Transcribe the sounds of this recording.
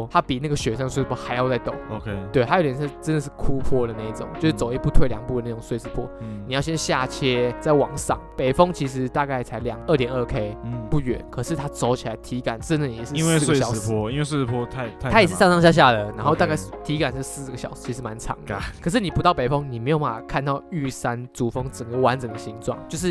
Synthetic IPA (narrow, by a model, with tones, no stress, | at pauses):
t̪ʰa˦˥pi˨˩na˥˩ɡə˩ɕɥɛ˨˥sɑ˥˩ŋdəswpʰwɔ˥˧ha˧˥ɪjɑ˥˧ʊt͡sa˥˩ɪt̪o̰˨˦ŋo˨˧kʰt̪we˥˩ɪa˥jo˨˩ʊ˩jnʰa˥˩˥t͡sə˦nd̪ə˨ʂ̬ɻ̩˥˩kʰu˦pʰwɔ˥d̪ə˩˦na˥˩i˥˩t͡sʊ̰˨˦ŋt͡ɕjo˥˧ʊʂ̩˥˧t͡so˨˩ʊi˧˥pu˥˧t̪ʰwe˥˩ɪljɑ˨˩ŋpu˥˩də˩˦a˥˩ʊ˨˩ŋswe˥˧t͡sɹ̩˧˩pʰwɔ̰˥ni˨˩jɑ˥˩ʊɕjɛ˥nɕja˥˩t͡ɕʰjɛ˥t͡sa˥˩ɪwɑ˨˩ŋsɑ̰˨˩˦ŋpe˨˩ɪfɤ˥ŋt͡ɕʰi˧˥ʂ̬ɻ̩˧˦t̪a˥˧ka˥˩ɪt͡sʰa˧˥ɪljɑ̰˨˩ŋə˥˩t̪jɛ˨˩nə˥˧kʰe˥ɪpu˥˩ɥɛ̰˨˩nkʰɤ˨˩ʂɻ̩˥˩t̪ʰa˥t͡so˧˥ʊt͡ɕʰi˨la˨˧ɪt̪ʰi˧˥ka˨˩nʈ͡ʂə˦˥nd̪ə˨jɛ˨˩ʂ̩˥˧we˥˧˥swḛ˥˧˨pʰɔ˥i˥nwe˥˧swe˥˧t͡s̩˥˧pʰɔ˥t̪ʰa˥˩ɪt̪ʰa˥a˥jʂ̬ɻ̩˥˩sɑ˥˧ŋsɑ˥˧ŋɕja˥˧ɕ̬ja˥˩də˩na˧˥nxo˥˧ʊa˧ka˥˧ɪ˥˩t̪ʰi˧˥ka˨˩nʂɻ̩˥˧sɹ̩˥˩ɡə˩ɕjɑ˨˩ʊ̥˥˧t͡ɕʰi˧˥ʂ̩ɻ̩˥˧ma˧˦nʈ͡ʂʰɑ̰˧˥˦ŋd̪ə˨˦kʰɤ˨˩ʂ̬ɻ̩˥˩ni˨˩pu˧˥t̪ɑ˥˩ʊpe˨˩ɪfɔ˦ŋni˨˩me˧˥ɪjʊpa˥˩a˨˩kʰa˥˧nt̪ɑ˥˧ʊy˥˩sa˦˥nt͡su˨˩fɤ˥ŋt͡sə˨˩ŋɡə˦wa˧˦nt͡sə˨˩ŋd̪ə˨ɕi˧˥ŋʈ͡ʂwɑ̰˥˩ŋt͡ɕjo˥˧ʊʂ̬ɻ̩˥˩